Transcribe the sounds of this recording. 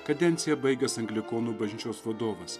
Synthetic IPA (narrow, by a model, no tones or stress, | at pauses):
kɐd̪ʲɛnʲsʲɪjɛbɐɪɡʲɛsɐŋɡlʲɪkoːnuːbɐʒʲnʲɪt͡ʃʲoːsʋɐd̪oːʋɐs